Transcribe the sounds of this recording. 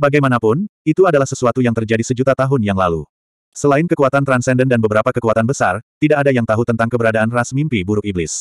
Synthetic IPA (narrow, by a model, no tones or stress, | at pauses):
baɡajmanapʊnit̪uadalahsəsuat̪ujaŋt̪ərd͡ʒadisəd͡ʒut̪at̪aɦʊnjaŋlalṵ | səlaɪnkəkuat̪ant̪ɾansɛndəndanbəbəɾapakəkuat̪anbəsa̰rt̪idaʔːdajaŋt̪aɦut̪ənt̪aŋkəbəɾadaːnrasmimpibuɾʊkiblɪs